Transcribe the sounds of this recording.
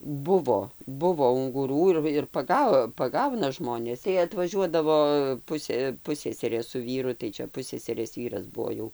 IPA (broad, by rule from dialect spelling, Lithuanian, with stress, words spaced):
ˈbʊʋoː ˈbʊʋoː ʊŋɡʊˈruː ɪr ɪr pɐˈɡɐ pɐˈɡɐʊnɐ ˈʒmoːnʲeːs tɐɪ ɐtʋɐˈʒʲuɔdɐʋoː ˈpʊsʲeː ˈpʊsʲsʲɛsʲɛrʲeː sʊ ˈʋʲiːrʊ tɐɪ ˈt͡ʃʲɛ ˈpʊsʲsʲɛsʲɛrʲeːs ˈʋʲiːrɐs ˈbuɔ jɛʊ